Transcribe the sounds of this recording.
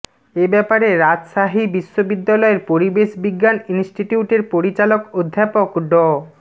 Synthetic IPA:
ebɛpaɾeɾad͡ʑʃaɦibiʃːobid̪ːalɔeɾpoɾibeʃbiɡːaninsʈiʈiuʈeɾpoɾit͡ɕalokod̪ʱːapokɖɔ

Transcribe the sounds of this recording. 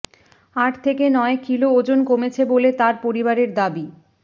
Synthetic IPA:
aʈʰt̪ʰekenɔekilood͡ʑonkomet͡ɕʰebolet̪aɾpoɾibaɾeɾd̪abi

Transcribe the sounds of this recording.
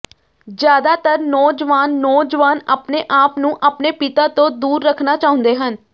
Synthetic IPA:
d͡ʒjaːd̪aːt̪əɾnɔːd͡ʒʋaːnːɔːd͡ʒʋaːnaːpneːʔaːpnũːʔaːpneːpɪt̪aːt̪õːd̪uːɾːəkʰnaːt͡ʃaːɦʊ̃nd̪eːɦən

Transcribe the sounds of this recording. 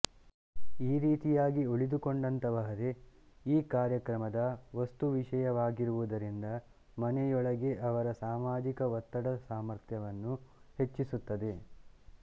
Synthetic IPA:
iːɾiːt̪ijaːɡioɭid̪ukoɳɖɐnt̪ɐʋɐɦɐɾe̞ | iːkaːɾjɐkɾɐmɐd̪ɐʋɐst̪uʋiʃɐjɐʋaːɡiɾuʋud̪ɐɾind̪ɐ | mɐnɛjɔɭɐɡe̞ʔɐʋɐɾɐsaːmaːd͡ʒikɐʋɐt̪ːɐɽɐsaːmɐɾt̪ʰjɐʋɐnːuhe̞t͡ʃːisut̪ːɐd̪e̞

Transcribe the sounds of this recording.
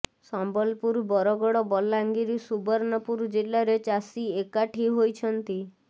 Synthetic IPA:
sɔmbɔlpuɾbɔɾɔɡɔɽɔbɔlaŋɡiɾisubɔɾnɔpuɾd͡ʒelːaɾet͡ʃasiekaʈʰiɦojt͡ʃʰɔnt̪i

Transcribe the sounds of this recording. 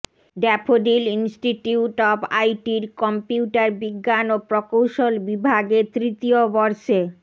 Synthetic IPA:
ɖɛpʰoɖilinsʈiʈiuʈɔba̰jʈiɾkɔmpjiuʈaɾbiɡːanopɾɔkowʃolbibʱaɡet̪ɾit̪iobɔɾʃe

